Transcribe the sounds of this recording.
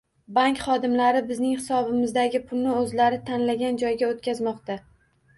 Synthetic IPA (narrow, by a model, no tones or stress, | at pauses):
baŋkʲχɒd̪ɪmlaɾɪbɪznɪŋhɪsɒbɪmɪzd̪aɡʲɪpʰʊlnɪɵzlaɾɪt̪ʰanlaɡʲand͡ʒɒjɡʲaot̪kʲazmɒqt̪a